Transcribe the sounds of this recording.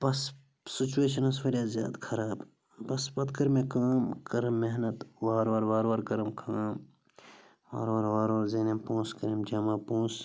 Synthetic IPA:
bɐs | sɪt͡ʃueːʃɐnɐsʋɐljaːzja̰ːd̪kʰɐɾaːb | bɐspɐt̪kɐɾmẽkaːmkɐɾɐmːeɦnɐt̪ʋaːɾʋaːɾʋaːɾʋaɾkɐɾɐmkʰaːm | ʋaːɾʋaːɾʋaːɾʋaːɾzinempõːskɐɾɐmd͡ʒɐmaːpõːs

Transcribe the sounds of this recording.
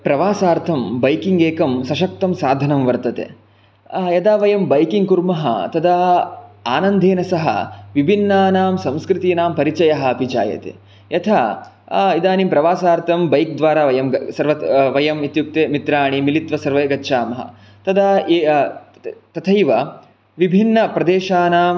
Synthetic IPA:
pɾɐʋaːsaːɾt̪ʰɐmbɐjkiŋɡeːkɐmsɐʃɐk̚t̪ɐmsaːd̪ʱɐnɐmʋɐɾt̪ɐt̪ḛ | jɐd̪aːʋɐjɐmbɐjkiŋɡkuɾmɐɦɐ̰t̪ɐd̪ɐ | aːnɐnd̪ʱeːnɐsɐɦɐ̰ʋibʱinːaːnaːmsɐ̃mskɾɪt̪iːnaːmpɐɾit͡ʃɐjɐɦɐɐbʱit͡ʃa̰ːjɐ̰t̪ḛ | jɐt̪ʰaː | id̪aːnimpɾɐʋaːsaːɾt̪ʰɐmbɐjk̚d̪ʋaːɾaːʋɐjɐmsɐɾʋɐʋɐjɐmit̪juk̚t̪eːmit̪ɾaːɳimilit̪ʋɐsɐɾʋɐɡɐtːʃʰaːmɐɦɐ̰ | t̪ɐd̪a | t̪ɐt̪ʰɐjʋɐ | ʋibʱinːɐpɾɐd̪eːʃaːnaːm

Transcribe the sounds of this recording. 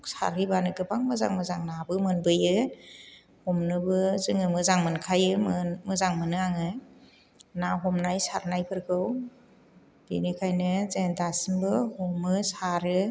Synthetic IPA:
sa̰ɾibanɯkɯbaŋmɯza̰ŋmɯzaŋnabɯmɯnbɯjɯ | hɔmnɯbɯzɯŋɯmɯzaŋmɯnkʰajɯmmɯzaŋmɯnɯaŋɯ | naɦɔmnajsaɾnajpʰɯɾkʰɯw | b̥inikʰajnɯzendasimbɯhumɯsaɾɯ

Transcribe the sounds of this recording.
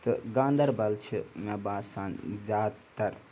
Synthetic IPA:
t̪ɨɡãːnd̪ɐɾbɐlt͡ʃʰimebaːsaːnzʲjaːd̪t̪ɐɾ

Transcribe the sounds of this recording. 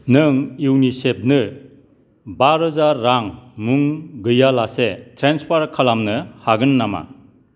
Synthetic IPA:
nɯŋiwnisep̚nɯ | baɾɦɯzaɾːaŋmuŋɡɯjalasetʰɾenspʰaɾkʰalamnɯhaɡɯnːama̰

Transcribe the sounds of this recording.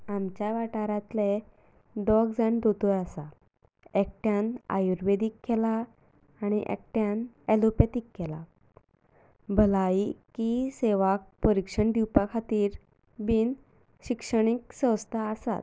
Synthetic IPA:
amt͡ɕjaʋaʈaɾãt̪le | d̪ɔɡd͡zaɳd̪ot̪ojasa | ekʈjãna̰juɾʋed̪ikːɛlaː | ɽ̃iʔɛ̰k̚ʈjãn | ɛlopjat̪ikːɛla̰ | bʱəlaikiseʋak̚pəɾikʂəɳd̪iwpakʰat̪iːɾ | biːn | ɕikʂəɽ̃iksə̃wst̪ʰaəsa̰t̪

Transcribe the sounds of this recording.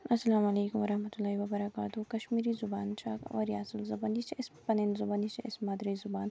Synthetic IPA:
ɐsːɐlaːmɐleːkʊmʋɐɾɐhmɐt̪ulːaːɦiʋɐbɐɾɐkaːt̪ukɐʃmiːɾizʊbaːnt͡ʃʰa̰ːkʋɐ̰ɾijaːsɪlzɐbanjit͡ʃʰiɪspɐnenzʊbaːnit͡ʃʰiɪsmɐːd̪ɾizʊbaːn

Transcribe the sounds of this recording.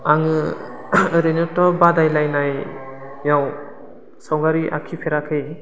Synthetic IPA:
aŋɯ | ɾɯnɔtɔbadajlajnajjaw | sawɡaɾiʔa̰kʰipʰeɾakʰɯj

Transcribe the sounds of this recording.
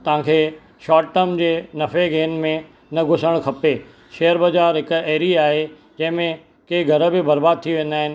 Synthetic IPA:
t̪ɐʋ̤ãkʰeː | ʃaːʈʈəmd͡ʑeːnɐfeɡeːnmẽ | nɐɡʱʊsəɽ̃kʰɐpe | ʃeːəɾbɐd͡ʑaːɾɦɪkeːɾiaːɦe | d͡ʑɐ̃ɦɪ̃mẽ | kɐːiɡʱɐɾə̆bɪbɐɾbaːd̪̚t̪ʰiʋẽːnd̪aːɦɪnɪ̆

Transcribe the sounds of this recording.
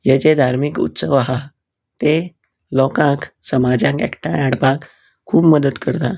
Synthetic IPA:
jet͡ɕed̪ʱaɾmikṵt̪səʋaɦa | t̪e | lɔkãksəmad͡ʑãkḛkʈʰajaɽpãk | kʰːuːpməd̪ət̪kəɾt̪a

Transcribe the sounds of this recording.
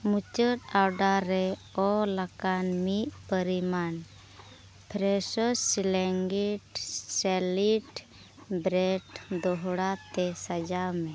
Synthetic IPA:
mut͡ʃəʈawɖaɾɛɔlakanmit̪̚pəɾiman | pʰɾɛsɔsːilɛŋɡiʈsɛliʈ | bɾɛʈd̪ɔɦɽat̪ɛsad͡ʒamɛ

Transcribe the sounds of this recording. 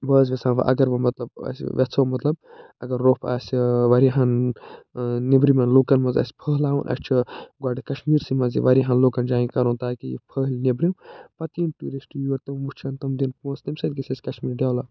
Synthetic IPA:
bɐːzʋʲɐsʰãːʋɐ̰ʔɐ̰ɡɐɾʋɐmɐt̪lɐb̚ɐ̰sʋʲɐt͡sʰɐwmɐt̪lɐb̚ | ɐɡɐɾːoːpʰa̰ːsʋɐɾiɦɐn | nebɾimɐnloːkɐnmɐzɐ̰sʲpʰəːɦlaːwunʔɐ̰st͡ʃʰiɡwaːɖikɐʃmiːɾsimɐzḭʋɐɾiɦɐnloːkɐnd͡ʒaːĩkɐɾõnt̪aːkijḭpʰəɦlʲnebɾimpɐt̪inʈuɾesʈujɐɾt̪ɐmmut͡ʃʰɐnt̪ɐmd̪inpõːst̪ɐmsɐd̪̚ɡɐsʰʲɐsʲkɐʃmiːɾɖʲaːwlaː

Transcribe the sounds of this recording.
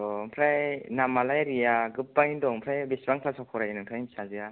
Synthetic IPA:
ɔpʰɾajnamalajɾijaɡɯpːaŋindɔŋpʰɾajbisbaŋpʰlasakʰɔɾajinɯŋtʰajsazija

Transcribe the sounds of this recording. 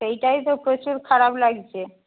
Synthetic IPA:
ejʈajt̪opɾot͡ɕuɾkʰaɾablaɡt͡ɕʰe

